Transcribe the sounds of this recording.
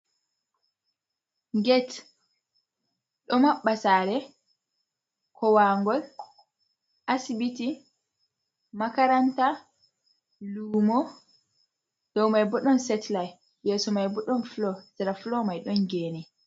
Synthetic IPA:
ŋɡɛt | ɗɔmaɓːasaːɾɛ | kʰɔwaŋɡɔl | ʔasibiti | makaɾanta | luːmɔ | d̥ɔwmajbɔɗɔnsɛtlaj | jɛsɔmajbɔɗɔnflɔsiɾaflɔmajɗɔnɡɛːnɛ

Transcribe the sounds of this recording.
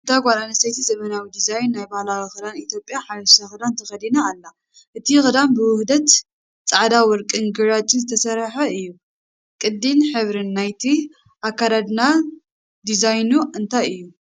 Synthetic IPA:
ɨnt̪ʰajɡʷalanɐsajt̪ʰizɐmɐnawid̪izajnːajbahlawixɨd̪anit̪ʰjo̞pʼːjaħalɐssaxɨd̪ant̪ʰɐxɐd̪inaːlːa | ʔɨt̪ʰixɨd̪anbɨwʊhd̪ɐt̪ | t͡sʼaʕd̪awɔɾkʼɨnɡɨɾat͡ʃʼɨnzɨt̪ʰɐsɐɾħɐɨjːu | kʼɨd̪ːinħɨβɾɨnːajt̪ʰi | ʔakːaɾad̪na | d̪izajnuɨnt̪ʰajɨjːu

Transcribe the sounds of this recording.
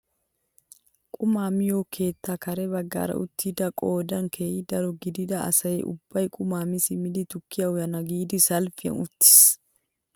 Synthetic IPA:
kʼʊmaːmɪjo̞ːkʰe̞ːt̪ːakɐɾɛbɐɡːa̰ːɾɐ̰ʊ̰t̪ːid̪ɐkʼo̞ːd̪ɐnkʰeːjɪd̪ɐɾɔɡɪd̪ɪd̪ɐɐ̰sɐjɛ̰ʔʊ̰bːɐjkʼʊmaːmɪsɪmɪd̪ɪt̪ʊkʰːɪjɐʊjɐnɐɡiːd̪ɪsɐlfɪjɐ̰nʊt̪ːɪ̥s

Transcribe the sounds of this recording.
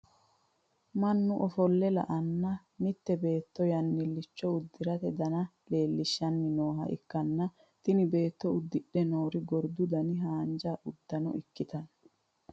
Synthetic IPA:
mɐnːʊʔɔfɔlːɛlɐ̰ʔɐnːɐ | nɪt̪ːɛbe̞ːt̪ːɔjɐnːɪlːɪt͡ʃːɔʊd̪ːɪɾɐt̪ɛd̪ɐnɐ | le̞ːlːɪʃːɐnːɪno̞ːɦɐ̰ʔɪ̰kːɐnːɐ | t̪ɪnɪbe̞ːt̪ːɔʊd̪ːɪɗːɛnoːɾɪɡɔɾd̪ʊd̪ɐnɪɦaːnd͡ʒaːʔʊd̪ːɐnɔ̰ʔɪkːɪt̪ɐn

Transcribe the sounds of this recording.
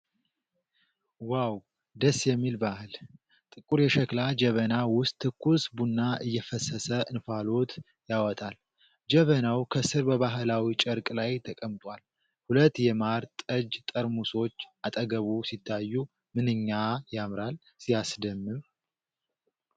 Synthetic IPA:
waw | d̪əsːjɛmːilbahɨl | t̪ʼɨkʼuɾjɛʃəklad͡ʒɛβənawʊst̪ʰːɨkːusbunːaʔɨjːɛfəsəsəɨnfalo̞t̪ | jawɔt̪ʼal | d͡ʒɛβənawkʰəsɨɾbəβaɦlawit͡ʃʼəɾkʼlajt̪ʰəkʼəmt̪ʼwal | hulət̪ːjɛmaɾt̪ʼəd͡ʒt̪ʼəɾmuso̞t͡ʃːat̪ʼəɡəβusit̪ʰːajːu | mɨnɨɲːajamɾal | sijasd̪əmːɨm

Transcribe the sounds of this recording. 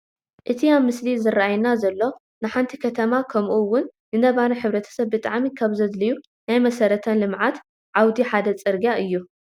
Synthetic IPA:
ʔɨt̪ʰiamːɨslizɨrːaʔajnazɐlːo̞ | nɨħant̪ʰikʰɐt̪ʰɐmakʰɐmʔuwːʊnːɨnɐβanɐħɨβɾɐt̪ʰɐ̥sɐβbɨt̪ʼaʕmikʰaβzɐd̪lɨju | najmɐsɐɾɐt̪ʰɐnlɨmʕat̪ | ʕawd̪iħad̪ɐt͡sʼɨɾɡaʔɨjːu

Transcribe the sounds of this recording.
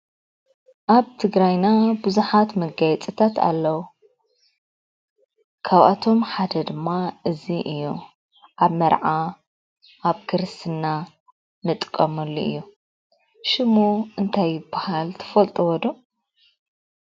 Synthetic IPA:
ʔaβt̪ʰɨɡɾajnabuzuħat̪mɐɡajɛt͡sʼɨt̪ʰat̪ʰa̰lːɐwu | kʰaβʔa̰t̪ʰo̞mħad̪ɐd̪ɨmːaʔɨziʔɨjːo | ʔaβmɐɾʕa | ʔaβkʰɨɾɨst̪ʰɨnːa | nɨt̪ʼkʼːɐmɐlːuʔɨjːu | ʃɨmoʔɨnt̪ʰajːɪbːahalt̪ʰɐ̥fɐlt̪ʼɨwɔd̪u

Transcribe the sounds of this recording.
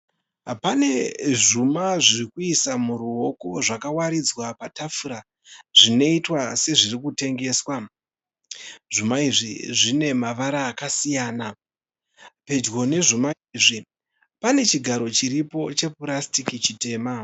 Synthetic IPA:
apane̞ʐumaʐirikuisamuɾuɦo̞koʐakawaɾid͡zwapatʰafuɾa | ʐ̥ine̞itwase̞ʐirikute̞ŋɡe̞ːswa | ʐ̥umaiʐiʐine̞maʋaɾaːkasijaːna | pe̞d͡ʒɡo̞ne̞ʐumaiʐi | pane̞t͡ʃiɡʱaɾo̞t͡ʃiɾipo̞t͡ʃe̞purastikit͡ʃite̞ːma

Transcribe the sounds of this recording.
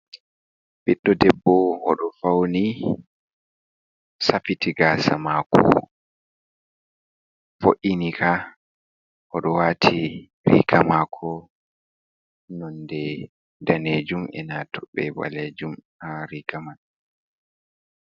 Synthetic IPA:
biɗːɔdɛbːɔɔɗɔfawni | safitiɡaːsa̰makʰɔ̰ | foʔinikʰa | ʔɔɗɔwaːtʰi | ɾḭɡamakʰɔ | nɔndɛ | daned͡ʒumɛ̰natʰɔɓːɛba̰led͡ʒum | aɾiɡaman

